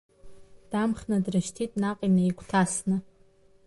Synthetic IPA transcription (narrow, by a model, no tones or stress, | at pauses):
d̥amχnadrɨʃtʰitʼnaqʼinaiɡʷʰtʰasnɨ